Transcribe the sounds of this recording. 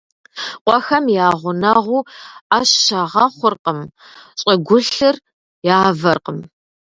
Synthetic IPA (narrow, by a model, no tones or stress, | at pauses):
qʷɔxɐmjaːʁʷʊnɐʁʷuːaɕʃɐʁɐχʷʊrqəm | ɕʼɐɡʷʊɬɨr | jaːvɐrqəm